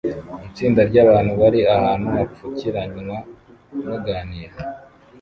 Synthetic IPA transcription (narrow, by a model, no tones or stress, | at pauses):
it͡siːndaɾɟaːβaːn̥huβaɾiahaːnhuafuciɾaɲuma | nuɡaːniːɾa